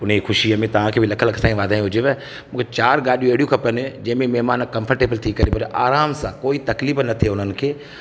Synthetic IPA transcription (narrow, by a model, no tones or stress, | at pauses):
ʊnexʊʃiəmẽt̪ɐʋ̤ãkʰeːbʱɪlɐkʰəlɐkʰsãːĩʋaːd̪ʱaːĩɦʊd͡ʑeʋɛ | mũːkʰet͡ɕaːɾɡaːɗijũeːɽijũkʰɐpənɪd͡ʒɐ̃ɦɪ̃mẽmɛɦmaːnkɐ̃mfʰəɾʈeːbəlt̪ʰikɐɾepɐɾeʔaːɾaːmsãkoːit̪ɐkliːfnɐt̪ʰeʊnənɪ̆kʰeː